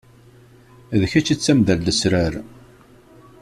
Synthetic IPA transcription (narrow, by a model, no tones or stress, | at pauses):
ðəçæt͡ʃːit͡sːæmðælːəsɾæɾ